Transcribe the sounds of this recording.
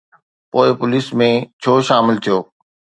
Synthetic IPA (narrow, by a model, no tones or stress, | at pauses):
poːɪpʊliːsmẽt͡ɕʰoːʃaːmɪlt̪ʰijoː